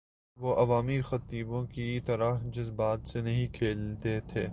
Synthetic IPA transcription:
ʋoʔɐʋaːmixɐt̪iːbõkit̪ɐɾəɦd͡ʒʊzbaːt̪senɐɦĩkʰeːlt̪et̪ʰeː

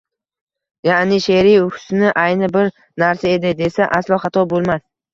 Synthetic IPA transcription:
jaʔnɪʃeɾiʊhʊ̥snɪʔajnɪbɪɾ | naɾsae̞d̪ɪd̪e̞saʔaslˠɒχɑt̪ʰɒbolˠmas

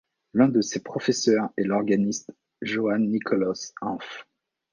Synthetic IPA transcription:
lɛ̃d̪əsepχɔfɛsœʁɛlɔʁɡanist̪ | ʒoanːikʰɔlɔsɑ̃f

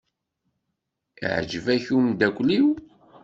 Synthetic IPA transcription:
ḭʕ̰d͡ʒəvæçumd̪ækʷːliw

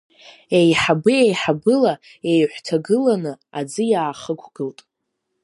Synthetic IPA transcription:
ejħabɨejħabɨla | ejħʷtʰaɡɨlanɨad͡zɨjaːχəkʷʰɡ̥ɨltʼ

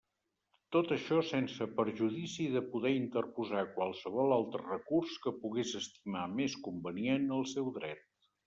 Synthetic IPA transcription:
t̪ot̪əʃɔsɛnsəpəɾʒuðisiðəpuðɛint̪ərpuzakwalˠsəβɔlˠalˠt̪ɾərəkurskəpuɣezəst̪imameskumbənienəlˠsɛwðɾɛt̪̚

